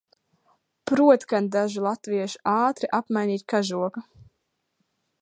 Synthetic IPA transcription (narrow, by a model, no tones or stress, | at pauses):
pɾuɔt̪kand̪aʒulˠat̪viɛʃu̥ʔaːt̪ɾiʔapmajniːt̪ʲkaʒuɔka